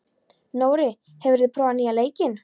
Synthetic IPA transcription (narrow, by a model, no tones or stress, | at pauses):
noːwɾɪ | hɛvɪɾðpʰɾɔːaniːaleːjcɪn